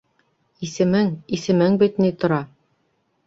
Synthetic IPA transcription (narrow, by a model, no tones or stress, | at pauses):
isɘ̆mɘŋisɘ̆mɘŋbit̪nit̪ŏɾɑ